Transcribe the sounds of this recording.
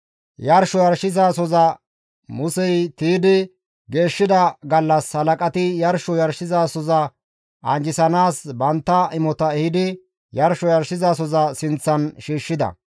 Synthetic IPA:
jɐɾʃɔjɐɾʃɪzaːsɔzɐ | mʊsɛjt̪iːd̪ɪ | ɡe̞ːʃːɪd̪ɐɡɐlːɐshɐlɐkʼɐt̪ɪjɐɾʃɔjɐɾʃɪzaːsɔzɐ | ʔɐnd͡ʒɪsɐnaːsbɐnt̪ːɐɪmɔt̪ɐɛhɪd̪ɪ | jɐɾʃɔjɐɾʃɪzas̬ɔzɐsɪnt͡sːɐnʃiːʃːɪd̪ɐ̰

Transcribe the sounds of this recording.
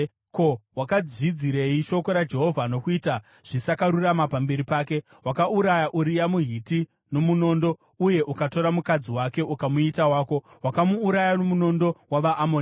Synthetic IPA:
kowakad͡zid͡ziɾe̞iʃo̞ko̞ɾad͡ʒe̞ɦo̞vʱano̞kuiːta | ʐ̥isakaɾuramapambe̞ɾipaːke̞ | ɦwakauɾajaʔuɾijamuɦiti | no̞muno̞ːndo̞ | uje̞ʔukato̞ɾamukad͡ziwake̞ʔukamuitawaːko̞wakamuːɾajanomuno̞ndo̞waʋaʔːmon

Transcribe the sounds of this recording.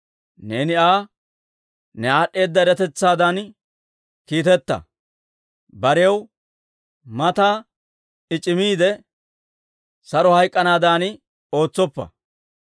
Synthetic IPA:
ne̞ːnɪaː | nɛaːɗːe̞ːd̪ːɐɪɾɐt̪ɛt͡sːaːd̪an | kiːt̪ɛt̪ːɐ̰ | bɐɾɛɐw | mɐt̪aː | ɪt͡ʃʼːɪmiːd̪ɛ | sɐɾɔhɐjkʼːɐnaːd̪aːn | o̞ːt͡sːɔpːɐ̰

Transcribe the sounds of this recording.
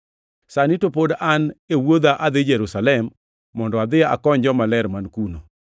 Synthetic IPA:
sanitopodanewod̪aʔad̪ɪd͡ʒɛɾusalɛmː | ɔndɔad̪ɪa̰kɔɲd͡ʒɔmalɛɾmankuno̰

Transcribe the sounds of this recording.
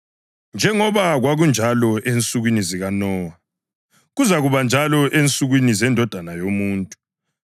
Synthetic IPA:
nd͡ʒʱɛŋɔβaɣwaɣund͡ʒʱalɔʔent͡sʼuɣwiniziɣanɔːa | ɣuzaɣuβand͡ʒʱalɔʔent͡sʼuɣwinizɛndʱɔd̥ʱanajomuːntʼu

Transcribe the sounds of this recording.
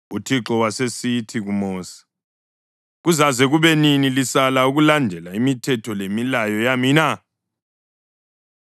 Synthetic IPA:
utʰiǁɔwasesitʰiɣumɔːsi̥ | ɣuzazɛɣuβɛninilisalauɣulandʱɛlaimitʰɛtʰɔlemilajɔjamina

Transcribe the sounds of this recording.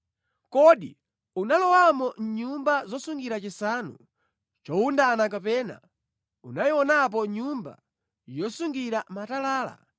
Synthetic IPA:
kɔɗi | unalɔwamɔɲumbazɔsuŋɡiɾat͡ʃisanu | t͡ʃɔundanakapɛːna̰ | unajiwɔnap̬ɔɲumba̰ | jɔsuŋɡiɾamatalaːla̰

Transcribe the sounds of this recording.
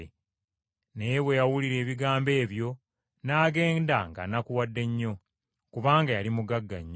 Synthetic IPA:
e | nejewe̞jawuliɾe̞ːβiɡaːmbe̞ːβjo̞ | naːɡe̞ːndaŋɡa̰nakuwadːe̞ɲːo̞ | kuβaːŋɡajalimuɡaɡːa̰ɲːo

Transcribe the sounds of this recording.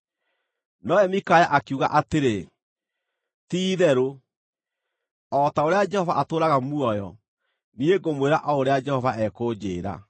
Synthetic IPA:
nɔɛmikajaʔakuɣa̰ʔateɾe | tiːðɛɾo | ɔtaoɾead͡ʒɛhɔvaʔatoːɾaɣamuɔjɔ̰ | nieɡomweɾaʔaoɾead͡ʒɛhɔvaʔɛkod͡ʑeːɾa̰

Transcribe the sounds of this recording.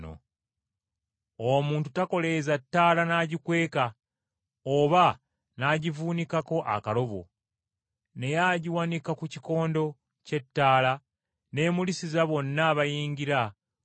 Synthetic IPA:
o̰ | omuːntutako̞le̞zatːaːlanaːɟikwe̞ːka | oβa | naːɟivuːnikako̞ʔa̰kalo̞βo̰ | ne̞jaɟiwanikakuciko̞ːndo̞ | ce̞tːaːla | ne̞ːmulisizaβo̞nːaβajiːɲɟiɾa

